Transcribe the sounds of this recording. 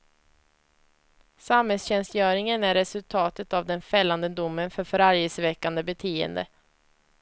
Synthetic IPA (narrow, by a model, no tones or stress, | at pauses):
samhɛlsɕɛnst̪jœːɾɪŋənæɾːɛsɵlt̪ʰɑːt̪ət̪avd̪ɛnfɛlːand̪əd̪ʊmːənfœɾfœɾaɾjəsvɛkːand̪əbɛt̪ʰeːə̰nd̪ə̰